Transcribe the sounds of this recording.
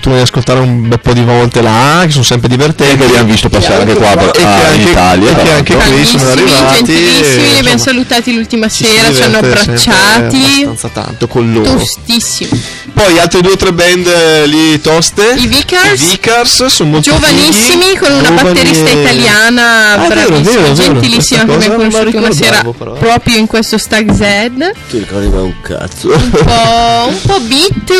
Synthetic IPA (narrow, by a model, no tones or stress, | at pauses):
t̪uvɔjaskolt̪aːɾeumbɛpɔd̪ivɔlt̪elake̥s̬onsɛmpɾed̪ivert̪ɛnkelianvist̪opasaɾaŋkekwapeeaŋiet̪a̰ljaekːeaŋkeisonarːivaad͡ʒenilisːiminebɛnsalut̪aːt̪ilult̪imaseːɾat͡ʃanːoabɾat͡ʃːaːt̪iansat̪a̰nt̪okonlot̪ːost̪isːimi | pɔjalt̪ɾed̪ueot̪ɾɛbɛnd̪lit̪ɔst̪eivikasvikarssonomoltd͡ʒovanisːimikonunabat̪ːeɾisst̪ait̪aljaːnabɾaɾveːd͡ʒent̪ilisːimakemmːajkkonoʃːult̪iimaseːɾapɾɔːpɾjoiŋkwest̪ost̪aɡzɛd̪k̪iɾikɔɾd̪ḭva̰ṵŋkʰa̰t̪soumpɔumpɔbit̪ː